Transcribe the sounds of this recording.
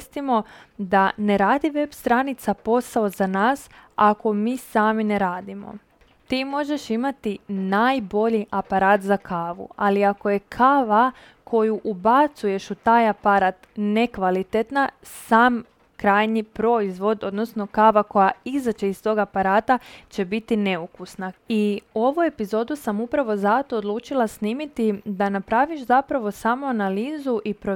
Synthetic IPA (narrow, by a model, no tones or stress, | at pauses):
st̪imo̞d̪ane̞ɾaːd̪iʋe̞bst̪ɾanit̪sapo̞saozanaːsako̞miːsaːmineɾaːd̪imo̞̰ | t̪iːmo̞ʒe̞ʃimat̪inaːjbo̞ʎiʔapaɾaːt̪zakʰaːʋṵaliako̞je̞kʰaːʋa | kʰo̞juʔubat̪suje̞ʃut̪aːjapaɾat̪nekʋalit̪et̪na | saːm | kɾaːjɲipɾo̞izʋo̞d̪o̞d̪no̞sno̞kaːʋako̞jaizat͡ʃe̞ist̪o̞ɡapaɾaːt̪at͡ɕe̞bit̪ine̞ukusnaio̞ʋue̞pizo̞ːd̪usamupɾaʋo̞zat̪o̞ːd̪lˠuːt͡ʃilˠasniːmit̪id̪anapɾaːʋiʃzapɾaʋo̞samoanaliːzuʔipɾo